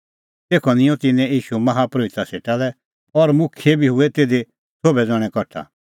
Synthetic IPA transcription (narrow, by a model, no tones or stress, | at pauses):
t̪eːkʰɔnɪ̃jɔ̃t̪ɪnɛ̃iːʃumɐɦapɾoːɪt̪aseːʈalɛ | ɔɾmʊkʰjebʱiɦʊet̪eːd̪e | sobɛd͡zɔɽ̃ɛ̃kɔʈʰa̰